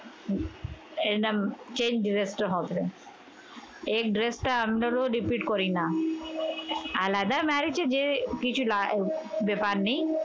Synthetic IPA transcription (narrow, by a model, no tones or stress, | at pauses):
enamt͡ɕeɲd͡ʒɖɾesʈaɦɔt̪ʰe | ek̚ɖɾesʈaamɾaɾoɾipiʈkoɾina | alad̪amaɾit͡ɕʰed͡ʑekit͡ɕʰulabepaɾnij